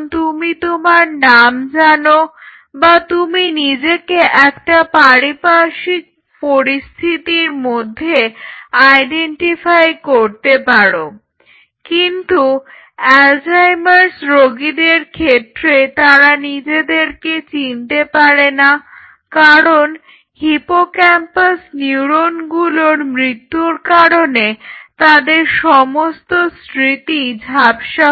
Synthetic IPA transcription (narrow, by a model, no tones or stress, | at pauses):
nt̪umit̪omaɾnamd͡ʑano | bat̪uminid͡ʑekeʔɛkʈapaɾipaʃik̚ | poɾist̪ʰit̪iɾmod̪ʱːeajɖeɳʈifajkoɾt̪epaɾo | kint̪u | ɛld͡ʑajmaɾsɾoɡid̪eɾkʰet̪ːɾet̪aɾanid͡ʑed̪eɾket͡ɕint̪epaɾena | kaɾon | hipokɛmpasniuɾonɡuloɾmɾit̪ːuɾkaɾonet̪ad̪eɾʃɔmost̪osɾit̪id͡ʑʱabʃa